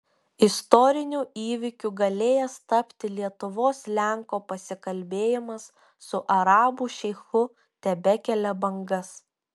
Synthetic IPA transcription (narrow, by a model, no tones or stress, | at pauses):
ɪst̪ɔɾʲɪnʲuːiːʋʲɪkʲuːɡɐlʲeːjɛst̪ɐpʲt̪ʲɪlʲiɛt̪ʊʋoːslʲæˑŋkoːpɐsʲɪkɐlʲbʲeːjɪmɐsː | ʊʔɐɾɑːbuːʃʲɛɪxʊ | t̪ʲɛbʲɛkʲɛlʲɛbɐŋɡɐs